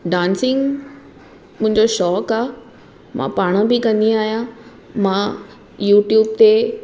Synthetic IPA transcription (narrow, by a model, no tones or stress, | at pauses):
ɖãːnsɪ̃ŋɡ | mʊ̃ɦɪ̃ɲd͡ʑoʃɔːkaː | mʔã̰paːɽ̃əbɪkɐ̃nd̪iaːɦijã | mã | juːʈjuːb̚t̪e